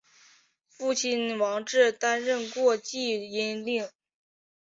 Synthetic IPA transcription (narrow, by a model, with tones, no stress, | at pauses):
fu˥˩t͡ɕʰi˥nwɑ˧˥ŋʈ͡ʂɻ̩˥˩t̪a˥nɻə˥˧nkwɔ˥˧t͡ɕi˥˩˧i˥nli˥˩ŋ